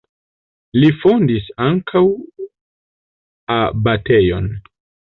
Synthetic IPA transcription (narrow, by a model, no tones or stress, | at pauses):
lifondisaŋkʰaw | abate̞jon